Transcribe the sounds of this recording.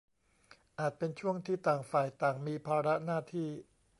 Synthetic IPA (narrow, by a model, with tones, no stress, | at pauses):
ʔaː˨˩t̪̚pe˧nt͡ɕʰu˥˩əŋt̪ʰiː˥˩t̪aː˨˩ŋfaː˨˩jt̪aː˨˩ŋmiː˧pʰaː˧ɾa˦˥naː˥˩t̪ʰiː˥˩